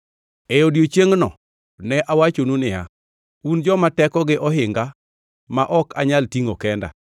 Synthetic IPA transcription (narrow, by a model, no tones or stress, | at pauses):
ejodjot͡ʃjeŋnɔ̰ | nɛʔawat͡ʃonunɪja̰ | und͡ʒɔmatɛkɔɡɪʔɔɦɪŋɡa | maʔɔka̰ɲaltiŋokɛnda̰